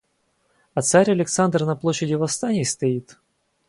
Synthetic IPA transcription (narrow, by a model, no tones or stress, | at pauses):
ɐt̪saɾʲɐlʲɪkt̪sand̪rnɐplˠoɕːɪdʲɪvɐfst̪anʲɪjɪst̪ɐit̪